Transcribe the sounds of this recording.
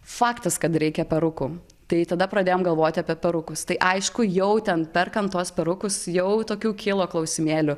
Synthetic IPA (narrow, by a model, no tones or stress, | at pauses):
fɑːkt̪ɐskɐt̪ɾʲɛɪkʲɛpʲɛɾʊkuː | t̪ɐɪt̪ɐd̪ɐpɾɐd̪ʲeːjoːmɡɐlˠʋoːt̪ʲɪɐpʲiɛpʲɛɾʊkʊst̪ɐɪʔɐɪʃkʊjɛʊt̪ʲɛnpʲɛrkɐnt̪uɔspʲɛɾʊkʊsjɛʊt̪oːkʲuːkʲʰɪlˠoːklˠɐʊsʲɪmʲeːlʲʊ